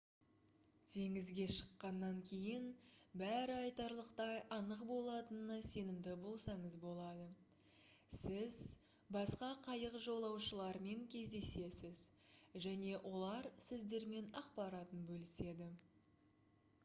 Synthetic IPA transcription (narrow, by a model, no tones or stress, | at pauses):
t̪ʰe̞ŋɪzɡʲe̞ʃə̥qːɑnːɑŋkʲʰe̞jɪnbæɾɪɑjt̪ɑɾlˠəqt̪ɑjʔɑnəqbo̞lˠɑt̪ənnɑse̞nɪmd̪ɪbo̞lˠsɑɴəzbo̞lˠɑd̪ə | sɪz | bɑsqɑqʰɑjəqʒo̞lˠɑwʃəlˠɑɾme̞ŋkʲʰe̞zd̪e̞se̞sɪzʒæne̞wʔo̞lˠɑɾsɪzd̪e̞ɾme̞nɑqpɑɾɑt̪ənbɵlɪse̞d̪ɪ